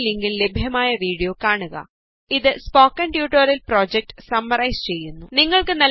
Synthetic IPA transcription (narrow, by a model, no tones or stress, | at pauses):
leŋɡille̞bʱjɐmaːjɐʋiːɽijo̞ːkaːɳuɣɐ̰ | iðɨspo̞ːkːɐɳɖjuːʈːoːɾɐlpro̞ːd͡ʑek̚ʈɨ̥sɐmːɐɾɐjst͡ɕe̞jːunːuniŋːɐɭkɨnɐl